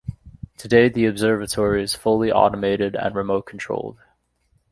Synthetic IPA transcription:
tʰɨdeɪðiɨbzɜ˞vɨtʰɔɹiɨz̥fʊlˠiʔɔ̰ɾəmeɪɾɪɾə̰̃nɹɨmoʊt̚kʰn̩tʰɹ̥o̰ʊlˠd̥

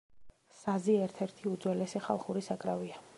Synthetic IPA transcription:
saziɛɾt̪ʰɛɾt̪ʰiud̪zwɛlɛsɛχa̰lˠχuɾisakʼɾavia

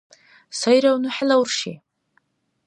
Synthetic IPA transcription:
sajɾawnɨħlawrʂḛ

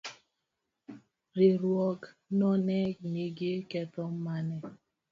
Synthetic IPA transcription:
ɾiɾwɔɡ | nɔnɛneɡekɛtɔm̩manɛ

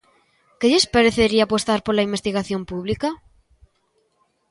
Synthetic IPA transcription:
keʎespaɾeθeɾiaːpost̪aɾpolaimbest̪iɣaθjompuβlika

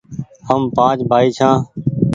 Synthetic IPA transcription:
həmpãːt͡ʃbʱaːiːt͡ʃʰãː

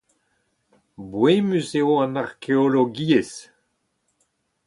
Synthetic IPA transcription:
bwemyseoãnaʁkʰeoloɡies

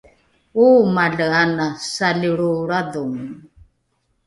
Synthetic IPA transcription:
umaɮəanasaliɾuɾaduŋ

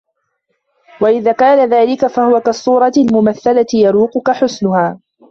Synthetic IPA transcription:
waʔɪðaːkaːnaðaːlɪkafahʊwakasˤːuːɾˤɑɪlmʊmaθːalat̪ɪjɑɾuːqʊkaħʊsnʊhaː

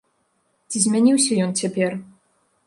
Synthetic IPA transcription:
t͡sʲizʲmʲanʲiwsʲɐjɔnt͡sʲapʲɛr

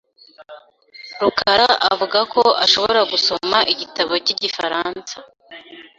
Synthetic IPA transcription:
ɾukaɾaʔavuɡakʰoaʃo̞βoɾaɡuso̞maʔiɟitaβo̞ciɟifaɾaːnsa

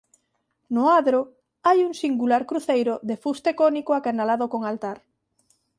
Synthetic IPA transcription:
nʊaðɾo | ajuŋsiŋɡulaɾkɾuθejɾʊðefust̪ekonikoakanalaðokoŋalt̪aɾ

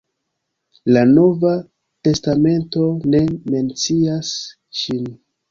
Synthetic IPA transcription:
lano̞va | te̞stame̞nto̞ne̞me̞nt͡sias | ʃin

